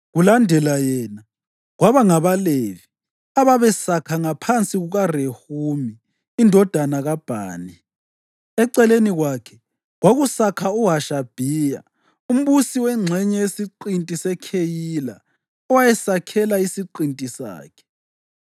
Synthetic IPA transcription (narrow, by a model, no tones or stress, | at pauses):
ɣulandʱɛlajɛna | ɣwaβaŋaβalevi | aβaβɛsakʰaŋapʰant͡sʼiɣuɣarehumiː | ndʱɔd̥ʱanaɣab̥ʱa̰ːnɛ | ɛǀɛleniɣwakʰɛ | ɣwaɣusakʰauɦaʃab̥ʱija̰ | um̩βusiwɛŋ͡ǀʱɛɲɛjesiǃintʼisɛkʰejila̰ | ɔwajɛsakʰɛlaisiǃintʼisa̰ːkʰɛ̥